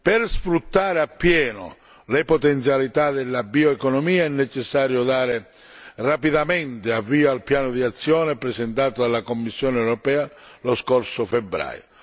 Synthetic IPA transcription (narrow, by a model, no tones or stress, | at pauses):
pɪrsfɾut̪ːaːɾɪapːjɛːnʊ̰ | lɪpɔt̪ɛnt̪sjalit̪ad̪ɪlːabioɛkɔnɔmiːaɛnːɛt͡ʃɛsːaːɾjod̪aːɾɪ | rapiðament̪ɪavːiːoalpjaːnʊd̪iat̪sːjɔːnepɾɛsɛnt̪aːt̪od̪alːakomːisːjɔːnɛwɾɔpɛːaloskɔrsʊfɛbːɾa̰ːjo